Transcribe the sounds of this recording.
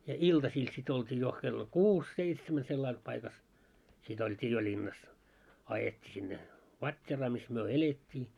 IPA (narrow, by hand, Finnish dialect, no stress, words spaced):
jɑ iltɑsiːl sit oltʲiː jo kelːo kuːs seitsemæ selːɑil pɑikɑs sit oltʲiː jo lʲinːɑs ɑjetːi sinːe ʋɑtʲːerɑː mis myø eletʲːiː